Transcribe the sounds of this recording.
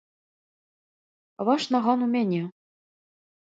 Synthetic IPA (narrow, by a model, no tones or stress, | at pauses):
βɑʃnɑʁɑnumʲenʲe